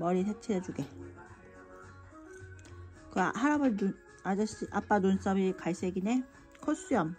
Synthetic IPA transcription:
mʌɾisʰet͡ɕʰeɾʌd͡ʑuɡe̞ | kɯahaɾabɯu | ad͡ʑaɕ͈iʔap͈anons͈ʌbikaɭs͈eɡine | kʰos͈ɯjʌm

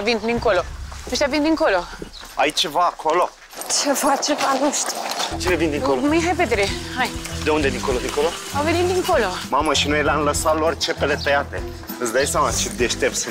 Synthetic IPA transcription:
vind̪iŋkoloəʃt̪avind̪iŋkolo̞ | a̰jt͡ʃe̞vaːkʰo̞lo̞ | t͡ʃefat͡ʃevanuʃt̪i̥t͡ʃine̞vind̪iŋkolmɨjɦajpet̪ɾehajd̪e̞und̪ed̪iŋko̞lod̪iŋkolo | avenit̪̚d̪iŋkolomaməʃinojeleanləsalort͡ʃepelet̪əjat̪e̞̰ | ɨnsd̪ajsamat͡ʃip̚d̪eʃt̪evs

